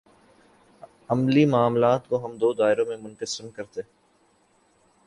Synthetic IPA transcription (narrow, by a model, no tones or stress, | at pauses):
ɐmlimaːmlaːt̪koɦɐmd̪oːd̪aːɪɾõmẽmʊnkəsɪmkɐɾt̪e